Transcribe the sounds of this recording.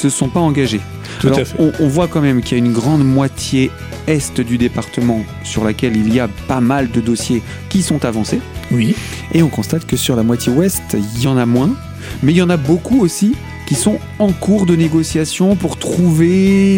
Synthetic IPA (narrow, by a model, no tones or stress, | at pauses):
səsɔ̃paɑ̃ɡaʒe | alɔʁfɛɔ̃ʔɔ̃vwakɑ̃mɛmkʲiljaynɡʁɑ̃d̪mwat̪je | ɛst̪d̪yd̪epaʁt̪əmɑ̃ | syʁlakʲɛliliapamald̪əd̪osje | kʲisɔ̃t̪avɑ̃sewi | eɔ̃kɔ̃st̪at̪kəsyʁlamwat̪ʰjewɛst̪iljɑ̃namwɛ̃ | mɛiljɑ̃nabokuosi | kʲisɔ̃ | ɑ̃kuʁd̪əneɡɔsjasjɔ̃puʁt̪χuve